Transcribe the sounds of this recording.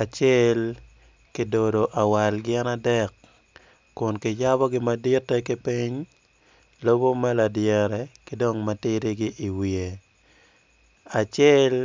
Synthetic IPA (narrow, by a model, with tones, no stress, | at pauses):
a˨t͡ʃjɛ˦l | kɪ˦do˨do˨ʔa˨wa˨lɡɪɛ˦na˦dɛ˦kː | ʊ˨nkɪ˨ja˦bɔ˦ɡɪ˦ma˦di˦tːɛ˦kɪ˦pi˦ɲ | lo˦bo˦mɛ˦la˨djɛ˨ɾɛ˨kɪdo˦˨ŋma˨tɪ˦ɾi˦ɡɪ˦ʔi˨wi˨e˨ | a˨t͡ʃjɛ˦l